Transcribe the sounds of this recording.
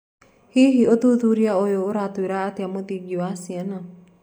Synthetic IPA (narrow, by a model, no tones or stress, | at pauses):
hiɦiot̪ut̪uɾiaojoːɾat̪oiɾaːteamot̪id͡ʒiwasiɛna